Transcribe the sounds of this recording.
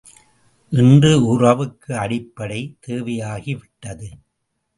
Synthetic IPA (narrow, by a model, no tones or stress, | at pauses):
ʔɪndrɯʊrɐʋɯkːɯɐɽɪpːɐɽɐɪt̪eːʋɐjaːɣiʋɪʈːɐðɯ